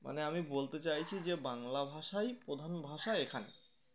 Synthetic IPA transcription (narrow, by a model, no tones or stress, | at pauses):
mʔa̰neamibolt̪et͡ɕajt͡ɕʰid͡ʑebaŋlabʱaʃajpɾod̪ʱanbʱaʃaekʰane